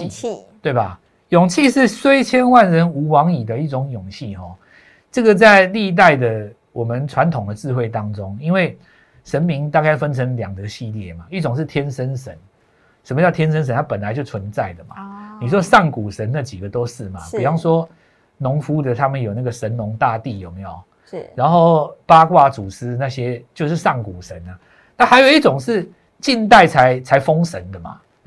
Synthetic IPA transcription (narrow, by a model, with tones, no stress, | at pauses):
t̪we˥˩ɪba˨˩ | jʊ˨˩ŋt͡ɕʰi˥˧ʂɻ̩˥˩swe˥ɪt͡ɕʰjɛ˥nwa˥˨nɻə˧˦nu˧˥wɑ˧˦ŋi˨˩d̪ə˦i˥˩t͡sʊ˧˦ŋjʊ˨˩ŋt͡ɕʰi˥˧ɦɔ˨˩ | ʈ͡ʂɤ˥˩ɡə˨t͡sa˥˧ɪli˥˧t̪̬a˥˩ɪd̪ə˨ | wɔ˨˩mə˦nt͡sʰwa˧˦nt̪ʰʊ˨˩ŋd̪ə˨t͡sɻ̩˥˧xwe˥˩ɪt̪ɑ˦ŋʈ͡ʂʊ˦˥ŋi˥nwe˥˩ɪ | ʂə˧˥nmi˧˥ŋt̪a˥˧ka˥˩ɪfə˦˥nt͡sʰə˧˥ŋlja˨˩ŋɡ̪ə˦ɕi˥˨˧ljɛ̰˥˩ma˩i˥˩t͡sʊ˨˩ŋʂ̬̩˥˩t̪ʰjɛ˦˥nʂə˦˥nʂə̰˧˦n | sə˨˧mə˧t͡ɕjɑ˥˩t̪ʰjɛ˥nʂ̬ə˥nsə˧˦nt̪ʰa˥pə˨˩nla˧˦ɪt͡ɕjo˥˩ʊt͡sʰwə˧˦nt͡sa˥˩ɪd̪ə˩ma̰˨˩ni˨˩ʂ̬wɔ˥ʂɑ˥˩ŋku˨˩ʂə˨˦nna˥˩t͡ɕi˨˩ɡə˨t̪o˦˥ʊʂ̩˥˩ma̰˨˩pu˨˩jɑ˥˩ŋʂwɔ˦˥ | nʊ˧˦˥ŋfu˥d̪ə˨t̪ʰa˦mə˨njo˨˩ʊna˥˩ɡə˩ʂə˨˦nnʊ˧˥ŋt̪a˥˧t̪i˥˩jo˨˩ʊme˧˥˦ɪjo˨˩ʊ | ɻa˧˦nxo˥˩ʊpa˦kwa˥˩t͡su˨˩sɹ̩˦˥na˥˧ɕjɛ˦˥t͡ɕjo˥˧ʊʂɻ̩˥˧sɑ˥˩ŋku˨˩ʂə˨˦na˨ | na˥˩ha˧ɪjo˨˩ʊi˥˩t͡sʊ˨˩ŋʂɻ̩˥˧ | t͡ɕi˥˧nt̪̬a˥˩ɪt͡sʰa˧˦ɪt͡sʰa˧˥ɪfo˦˥ŋʂə˧˦nd̪ə˨ma̰˩